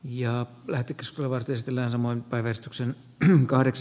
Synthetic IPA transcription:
jɑ | læht̪ekːeskuselːæʋɑrt̪iesit̪ːelːæːnsɑmoinpæiʋærist̪yksen | kɑhɾeks

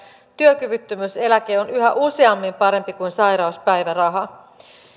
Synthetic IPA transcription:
t̪yøkyʋyt̪ːymyse̞læk̟e̞ːo̞nyɦæ̰ʔuse̞ɑmːimpɑɾe̞mpikujnsɑjɾɑuspæjʋærɑɦɑ

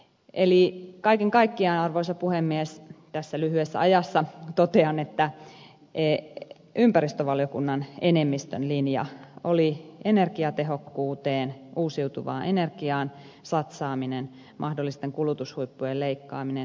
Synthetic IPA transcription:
ʔelikɑikeŋkɑikːiɑnɑrʋoisɑpuhemːiest̪æsːælyhyesːæ̰ɑjɑsːɑt̪ot̪eɑnet̪ːæ | ʔe | ympærist̪øʋɑljokunːɑnenemːist̪ønlinjɑ̰olienerkiɑt̪eɦokːuːt̪eːnʔuːsiut̪uʋɑ̰ːnʔenerkiɑːn | sɑt̪sɑːminen | mʔɑhdolːist̪eŋkulut̪ushuipːujeleikːɑ̰ːminen

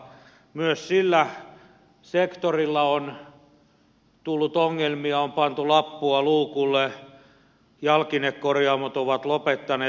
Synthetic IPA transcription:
myøssilːæ | sekt̪orilːɑon | t̪ulːut̪oŋːelmiɑompɑnt̪ulɑpːuɑluːkulːe | jɑlkinekkorjɑːmot̪oʋɑt̪lopet̪ːɑneː

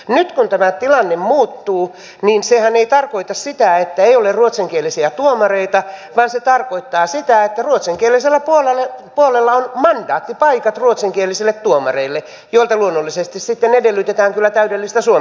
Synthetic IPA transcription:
nyt̪kunt̪æmæt̪ilɑnːemmuːt̪ːuː | niːnsehæneit̪ɑrkoit̪ɑssit̪æet̪ːæeiolerruot̪siŋkielisiæt̪uomɑreit̪ɑʋɑːnset̪ɑrkoit̪ːɑːsit̪æet̪ːæruot̪siŋkieliselːæpuolelepuolelːɑonmɑndɑːt̪ːipɑikɑt̪ruot̪siŋkielːˑisilːet̪tuomɑ̰reilːe | joilt̪ɑluonːolːisest̪issit̪ːenedelːyt̪et̪æːŋkylːæt̪æydelːist̪æsuo

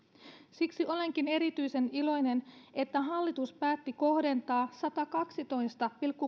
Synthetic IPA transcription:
siksiʔo̞le̞ŋk̟ine̞ɾit̪yjse̞nilo̞jne̞ne̞t̪ːæɦɑlːit̪uspæːt̪ːiko̞hde̞nt̪ɑːsɑt̪ɑkɑksit̪o̞jst̪ɑpilkːu

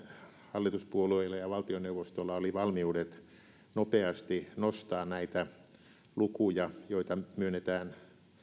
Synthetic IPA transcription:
hɑlːit̪uspuolueilːɑjɑʋɑlt̪ioneuʋost̪olːɑoliʋɑlmiuːdet̪ | nopeɑst̪inost̪ɑːnnæit̪æ | lukujɑjoit̪ɑmyønːet̪æːn

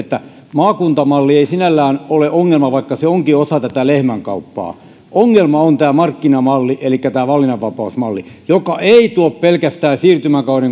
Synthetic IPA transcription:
et̪ːæ | mɑːkunt̪ɑmɑlːieisinælːæːnoleʔoŋːelmɑʋɑikːɑseoŋkiosɑt̪æt̪ælehmæŋkɑ̰upːɑ̰ː | ʔoŋːelmɑont̪æːmɑrkːinɑmɑlːiʔelikːæt̪æːʋɑlːinɑʋʋɑpɑusmɑlːijokɑʔeit̪uoppelkæst̪æːsiːrt̪ymækɑuneŋ

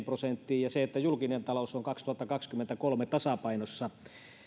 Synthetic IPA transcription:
mprosent̪ːiːjjɑseet̪ːæjulkinent̪ɑlousoŋkɑkst̪uhɑt̪ːɑkɑkskymːent̪ækolmet̪ɑsɑpɑinosːɑ

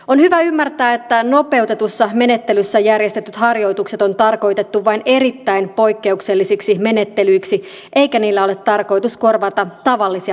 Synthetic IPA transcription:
o̞nhyʋæymːært̪æːet̪ːæno̞pe̞ut̪e̞t̪usːɑme̞ne̞t̪ːe̞lysːæjærjest̪et̪ːyt̪hɑrjo̞jt̪ukse̞t̪o̞nt̪ɑrko̞jt̪e̞t̪ːuʋɑine̞ɾit̪ːæinpo̞jkːe̞ukse̞lːisiksime̞ne̞t̪ːelyiksi | ʔe̞jkæniːlːæo̞let̪ːɑrko̞jt̪usko̞rʋɑt̪ɑt̪ɑʋɑlːisi

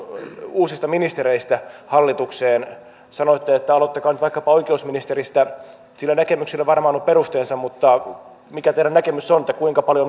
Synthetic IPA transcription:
uːsist̪ɑminist̪eɾeist̪æhɑlːit̪ukseːn | sɑnoit̪ːeet̪ːæɑlot̪ːɑkɑːnyt̪ʋɑikːɑpɑoikeusminist̪erist̪æ | silːænækemyksilːæʋɑrmɑːnuppeɾust̪eːnsɑmmut̪ːɑ | mikæt̪eiɾænækemysːonet̪ːækuiŋkɑpɑljo

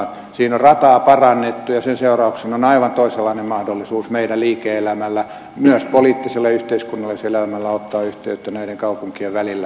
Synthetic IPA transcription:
siːnorrɑt̪ɑːpɑrɑnːet̪ːujɑsenseurɑuksenonɑiʋɑnt̪oiselːɑinemmɑhdolːisuːsmeidælliːkeelæmælːæ | myœspoliːt̪ːiselːɑyht̪eiskunːɑlːeselæmælːæot̪ːɑːyht̪eyt̪ːænæiɾeŋkɑupuŋkieʋʋælilːæ

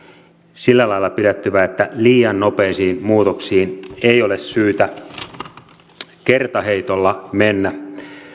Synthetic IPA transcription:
silːælɑjlːɑpiɾæt̪ːyʋæet̪ːæliːɑnno̞pe̞isiːnmuːt̪oksiːneio̞lessyːt̪æ | kert̪ɑhe̞it̪olːɑmenːæ

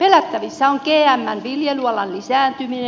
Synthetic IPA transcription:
pelæt̪ːæʋisːæoŋkeːæmːænʋiljeluɑlɑnlisæːnt̪ymine

